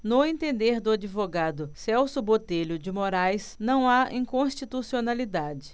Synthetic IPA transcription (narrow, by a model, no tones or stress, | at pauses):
nʊẽnt̪ẽnd̪eɾd̪ʊad͡ʒivoɡad̪ʊsɛwsʊbot̪eʎʊd͡ʒɪmoɾajsnɐ̃w̃aĩkõʃt͡ʃit̪usionalid̪ad͡ʒɪ